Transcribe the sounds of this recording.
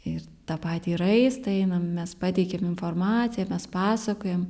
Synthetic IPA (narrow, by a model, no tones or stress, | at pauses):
ɪr | t̪ɑːpɑːt̪ʲiːɾɐɪst̪ɐɛɪnɐmmʲɛspɑːt̪ʲɛɪkʲɛmɪnformɑːt͡s̪ʲɪjɛmʲɛspɑːsɐkoːjɛm